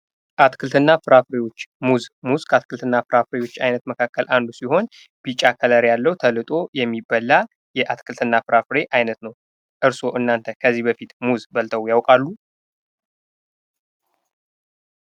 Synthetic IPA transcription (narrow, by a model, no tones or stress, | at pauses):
ʔat̪kʰɨlt̪ʰɨnːafɨɾafɾe̞wo̞t͡ʃːmuzmuzkʰat̪kʰɨlt̪ʰɨnːafɨɾafɾe̞wo̞t͡ʃːajnət̪məkʰakʰːəlʔand̪usiho̞n | bit͡ʃʼakʰələɾjalːəwut̪ʰəlɨt̪ʼo̞jɛmːibəlːa | jɛʔat̪kʰɨlt̪ʰɨnːafɨɾafɨɾe̞ʔajnət̪nəw | ʔɨɾso̞ʔɨnːant̪ʰəkʰəzːihbəfit̪muzbəlt̪ʰəwjawkʼalːu